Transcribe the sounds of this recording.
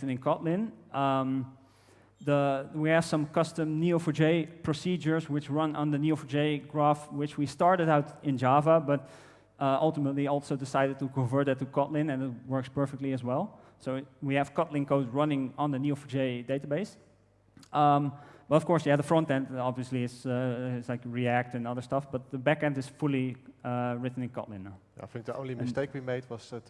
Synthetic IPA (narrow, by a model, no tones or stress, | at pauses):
nɨ̃nkʰɑtˡlɪ̃nm | ðəwiɨv̥sʌ̃mkʌstɨ̃mnʉofəd͡ʒeɪpʰɹ̥əsid͡ʒə˞zwɨt͡ʃɹʌ̃nə̃nðɨnjʉofəd͡ʒeɪɡɹæftwɪt͡ʃwistɑɹɾɨɾaʊɾɪ̃nd͡ʒɑvəbʌt̚ | ʔʌlˠtəmətˡliɔlˠsoʊdɪsaɪɾɨd̚təkʰə̃ɱvɜ˞tɨtɨkʰɑtlɪ̃nɨ̃nɪt̚wɜ˞kspɜ˞fɪk̚tˡliɨzwɛlˠsoʊwiɨv̥kɑtˡlɪ̃nkoʊtɹʌnɪ̃ŋə̃nðənjʉfd͡ʒeɪdeɪtəbeɪs | mb̥ʌɾʌfkɔɹsjæðəfɹʌ̃ntɛ̃ntɑbviəsliɪtsɪslaɪkɹiæk̚tɨ̃nʌðə˞stʌfb̥ʌt̪̚ðəbækɛ̃ntɨz̥fʊlˠi | ɹɪtn̩ɨ̃nkʰɑ̰tlɪ̃n | a̰ɪfɪ̃ŋk̚diõ̰ʊ̃nlimɪsteɪkwimeɪdwʌz